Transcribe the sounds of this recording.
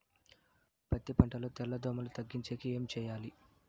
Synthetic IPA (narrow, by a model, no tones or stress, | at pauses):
pɐt̪ːipɐɳʈɐloːt̪ɛlːɐd̪ʱoːmɐlut̪ɐɡːiɲt͡ʃeːkieːmt͡ʃɛːjaːli